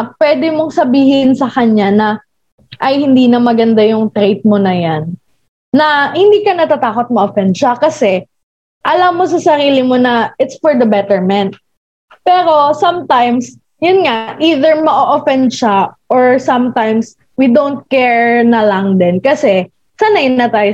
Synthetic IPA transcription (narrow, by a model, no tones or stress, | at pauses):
pwɛːd̪ɪmo̞ŋsɐbiːhɪnsɐkɐɲanɐ | ʔɐjhɪnd̪iːnɐmɐɡɐnd̪ajʊŋt̪ɾejt̪̚monɐjanː | ɐhɪnd̪iːkɐnɐt̪at̪aːkot̪̚mɐʔofɛnd̪ʃɐkɐsɛ | ʔɐlɐmːosɐsɐɾiːlɪmonɐʔɪt̪sfɔɹd̪ɐbɛt̪ɛɹmɛnt̪̚ | pɛːɾo̞sɐmt̪ajms | jʊnŋaʔiːðɛɹmɐʔoʔofɛnd̪ʃaʔoɹsɐmt̪ajms | wid̪ownt̪̚kɛɹnɐlɐŋd̪ɛnkɐsɛ | sanɐjʊnnɐt̪aːjo